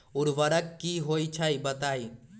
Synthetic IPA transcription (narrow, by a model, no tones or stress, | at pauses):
ʊɾʋəɾəkkːiɦoːit͡ʃʰaːibɐt̪aːiː